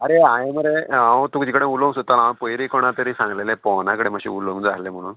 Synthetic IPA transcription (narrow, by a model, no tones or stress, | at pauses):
aɾeajeməɾeãt̪ukd͡ʑikəɽẽulomsot̪alãpojɾikɔɽ̃at̪əɾisãŋɡlelepɔnakəɽemaɕḭulomd͡zaɦlem̤əɽ̃uːn